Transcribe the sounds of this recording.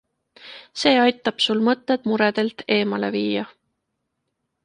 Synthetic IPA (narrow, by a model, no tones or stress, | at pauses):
se̞ːɑjt̪ːˑɑb̥sulmɤt̪ːˑed̪̥muɾed̪̥e̞lt̪e̞ːmɑle̞̰viːjɑ